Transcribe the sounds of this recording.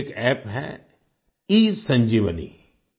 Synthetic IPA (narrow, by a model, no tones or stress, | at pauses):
kɛːpɦɛ̰ | iːsə̃ɲd͡ʒiːʋənḭ